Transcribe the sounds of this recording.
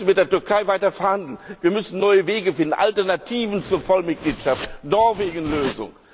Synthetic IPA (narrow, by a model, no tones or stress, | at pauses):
n̩mɪt̚d̥eːɐtʏɐkʰaɪvaɪtɐfɛɐhandl̩nviːɐmʏsn̩nɔʏəveːɡəfɪndn̩ʔa̰ltɛɐnatʰiːvn̩t͡suːɐfɔlmɪt̚ɡ̥liːtʃaftnɔɐveːɡn̩løːzʊ̰ŋ